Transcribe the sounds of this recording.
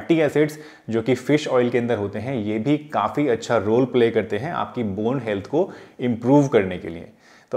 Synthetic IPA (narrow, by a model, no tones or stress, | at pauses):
ʈiɛːseʈs | d͡ʒoːkifɪʃɔːɪlkeɐ̃nd̪əɾɦoːt̪eɦɛ̃jeːbʱikaːfiɐtːʃʰaɾoːlpleːkɐɾt̪eɦɛ̃a̰ːp̚kiboːnɦɛlt̪ʰkoɪ̃mpɾuːʋkɐɾnekḛlḭḛ | t̪o